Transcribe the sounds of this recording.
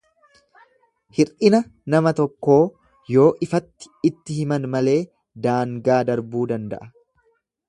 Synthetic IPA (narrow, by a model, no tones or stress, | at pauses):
hɪɾʔɪnɐnɐmɐt̪ɔkːo̞ː | jo̞ːʔɪfɐt̪ːɪ̥ɪt̪ːɪhɪmɐnmɐle̞ː | d̪aːŋɡaːd̪ɐɾbuːd̪ɐnd̪ɐ̰ʔɐ